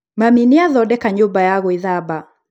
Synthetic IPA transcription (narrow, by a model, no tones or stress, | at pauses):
maminiaðɔɗɛkaɲubajaɣɔiðaba